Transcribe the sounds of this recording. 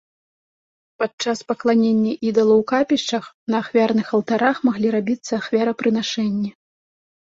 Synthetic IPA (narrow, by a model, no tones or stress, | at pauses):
pat͡ʂaspɐklˠanʲenʲːɐʔid̪ɐlˠɐwkapʲiʂt͡ʂɐx | nɐːxvʲarnɨxɐlˠt̪aɾaxmaɣlʲiɾabʲit̪sːɐːxvʲaɾɐpɾɨn̪aʂɛnʲːɛ